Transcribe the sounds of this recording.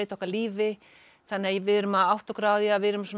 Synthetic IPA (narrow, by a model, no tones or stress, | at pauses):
jt̪ʰɔhkaliːvɪ | θanːɪajɛvɪðɾʏmaðawht̪ɔkɾaːwðjavɪðɾʏmswɔn